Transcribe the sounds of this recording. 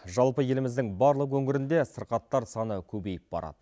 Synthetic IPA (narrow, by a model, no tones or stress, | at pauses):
ʒɑlˠpəje̞lɪmɪzd̪ɪŋbɑɾlˠəqwɵŋɪɾɪnd̪e̞səɾqɑt̪ːɑɾsɑnəkʲʰɵbe̞jɪp̚bɑ̰ɾʔɑ̰d̪̥ə